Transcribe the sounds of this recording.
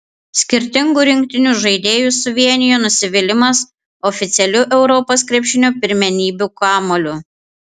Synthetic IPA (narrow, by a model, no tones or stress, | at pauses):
sʲkʲɪɾʲt̪ʲɪŋɡuɾʲɪŋʲk̚t̪ʲɪnʲuʒɐɪd̪ʲeːjuːˑsʊʋʲiɛnʲɪjoːnʊsʲɪʋʲɪlʲɪmɐs | ɔfʲɪt̪sʲɛlʲuʔɛʊɾɔposkɾʲɛpʲʃʲɪnʲoːpʲɪɾʲmʲɛnʲiːbʲukɑːmolʲʊ